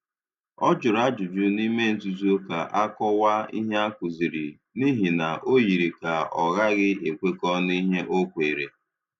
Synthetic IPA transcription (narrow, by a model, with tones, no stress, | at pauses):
ɔ˦d͡ʒʊ˨ɾa˦d͡ʒʊ˨d͡ʒʊ˦ni˦me˦n̩˦tu˨zu˦o˦ka˨ʔa˦kɔ˦wa˦ḭ˦ɦe˦a˦kʊ˨zi˨ɾi˨ | ni˦ɦi˨na˨ʔo˦ji˨ɾi˨ka˨ɔ˨ɣa˦ɡɪ˦ʔe˨kʷe˦kɔ˦ni˦ɦe˦ʔo˦kʷe˨ɾe˨